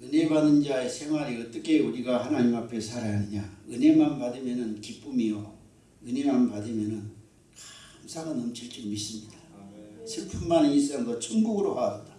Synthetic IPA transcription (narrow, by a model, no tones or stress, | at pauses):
ɯne̞badɯnd͡ʑaesʰe̞ŋwaɾiɯt͈ɯk͈ʰeuɾiɡahanaɲimapʰe̞sʰaɾaanɯɲaɯne̞manbadɯmjʌnɯnkip͈umio | ɯnemanpadɯmjʌnɯn | kamsʰaɡanʌmt͡ɕʰiɭt͡ɕ͈iɡmis͈ɯmɲid̥asʰepʰunmaniis͈aŋɡʌt͡ɕʰɯŋɡuɡɯɾohaata